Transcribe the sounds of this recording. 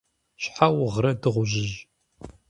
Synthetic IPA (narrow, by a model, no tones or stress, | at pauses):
ɕħawʁɾɐdɨʁʷʊʒɪʒ